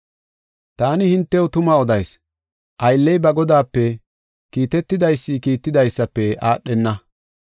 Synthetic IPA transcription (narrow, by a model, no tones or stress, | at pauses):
t̪aːnɪhɪnt̪ːɛwʊt̪ʊmɐɔd̪ɐjs | ʔɐjlːɛjbɐɡɔd̪aːpːɛ | kiːt̪ɛt̪ːɪd̪ɐjsːiːkiːt̪ːɪd̪ɐjsːɐpːɛʔaːɗːɛnːɐ